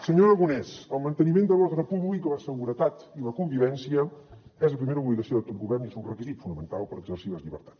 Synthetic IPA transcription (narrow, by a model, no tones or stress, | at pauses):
səɲoɾəɣunɛsəlˠmənt̪ənimend̪əlɔɣɾəpuβlikələsəɣuɾət̪at̪iləkumbiβɛnsiəɛzləpɾimeɾəuβliɣəsioðət̪ot̪̚buβɛɾniɛzunrəkizit̪funəmənt̪alˠpəɾəɡzərsiləzʎiβə̰ɾt̪ḁt